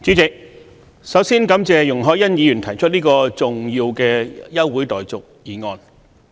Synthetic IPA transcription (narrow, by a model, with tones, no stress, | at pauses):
t͡sy˨˥t͡sɪ˨k̚ | sɐ˨˥wsiː˥nkɐ˨˥mt͡sɛː˨jʊ˨˩ŋɦɔː˨˥jɐ˥njiː˨˧jy˨˩nt̪ʰɐ˨˩jt͡ʃʰɵ˥t̚niː˥kɔː˧t͡sʊ˨ŋjiː˧wkɛː˧jɐ˥wːuː˨˥jt̪ɔː˨jt͡sʊ˨k̚jiː˨˩ŋɔː˧n